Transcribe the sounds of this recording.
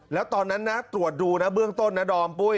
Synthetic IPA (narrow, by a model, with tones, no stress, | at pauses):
lɛː˦˥wt̪ɔː˧nːa˦˥nːa˦˥t̪ɾu˨˩ət̪̚duː˧na˦˥bɯ˥˩əŋt̪o˥˩nːa˦˥dɔː˧npu˥˩